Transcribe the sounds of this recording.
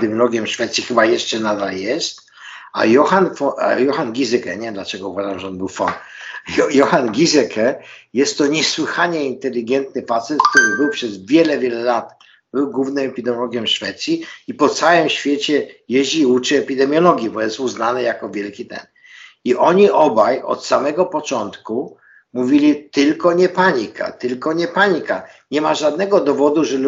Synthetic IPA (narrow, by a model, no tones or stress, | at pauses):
d̪ɛmjɔlɔɡʲjɛmʂfɛt̪sʲjixɘbajɛʂt͡ʂɛnad̪aljɛst̪ | a̰jɔxanfɔ̰jɔxanɡʲizɛkɛ̰ɲɛd̪lat͡ʃɛɡɔuvaʐamʐɛɔnbɘwfɔ̰n | jɔxanɡʲizɛkʰɛjɛst̪ːɔɲɛswɘxaɲɛint̪ɛlʲiɡɛnt̪nɘfat̪sɛt̪k̚t̪uɾɘbɘwpʂɛzvʲjɛlɛvʲjɛlɛlat̪ | b̥ɘwɡwuvnɘmɛpʲid̪ɛmjɔlɔɡʲjɛmʂfɛt̪sʲjiipɔt̪sawɛmɕfʲjet͡ɕɛjeʑd͡ʑiːut͡ʂɘɛpʲid̪ɛmʲjɔlɔɡʲjibɔjɛst̪uznanɘjakɔvʲjɛlkʲit̪ɛ̰n | iʔɔɲiʔɔbajɔ̰t̪samɛɡɔpɔt͡ʂɔnt̪ku | muvʲilʲit̪ɘlkɔɲɛpaɲikʰa̰t̪ɘlkɔɲɛpaɲika̰ | ɲɛmaʐad̪̚nɛɡɔd̪ɔvɔd̪uʐɛl